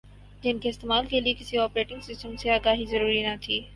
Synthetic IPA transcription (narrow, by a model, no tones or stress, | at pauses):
d͡ʒɪnkeɪst̪eːmaːlkeliekɪsiɔːpɾeːʈɪ̃ŋɡsɪsʈəmseaːɡaːɦizɐɾuːɾinat̪ʰiː